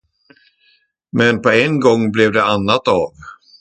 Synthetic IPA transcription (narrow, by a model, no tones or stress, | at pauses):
mɛnpɔɛnɡɔŋːblɛvd̪ɛanːat̪aːv